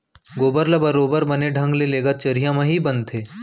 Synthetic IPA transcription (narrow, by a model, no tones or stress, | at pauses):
ɡoːbəɾlabɐɾoːbəɾbɐneɖʱɐ̃ŋɡleleːɡat͡ʃɐɾijãmãɦibɐnt̪ʰeː